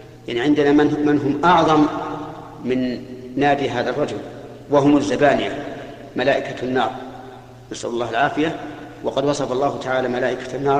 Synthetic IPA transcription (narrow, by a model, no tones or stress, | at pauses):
jaʕniʕɪnd̪anamɪnɦʊmʔɑʕðˤɑmː | ɪnːaːd̪iɦaːðarˤːɑd͡ʒʊl | waɦʊmazːabaːnɪja | malaːʔɪkanːɑːɾˤ | nasʔa̰lʊlːɑːhalʕaːfɪja | wɑqɑd̪wɑsˤɑfɑlˤːɑːhʊt̪aʕaːlamalaːʔɪkḁnːɑː